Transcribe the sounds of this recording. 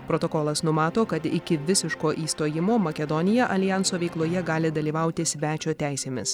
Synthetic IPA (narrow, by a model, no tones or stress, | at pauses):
pɾot̪oːkɔlˠɐsnʊmɑːt̪oːkɐt̪ɪkʲɪʋʲɪsʲɪʃkoːʔiːst̪oːjɪmoːmɐkʲɛd̪ɔnʲɪjɛʔɐlʲɪjɑnsoːʋʲɛɪklˠoːjɛɡɑːlʲɪd̪ɐlʲiːʋɐʊt̪ʲɪsʲʋʲæːt͡ʃʲoːt̪ʲæɪsʲeːmʲɪs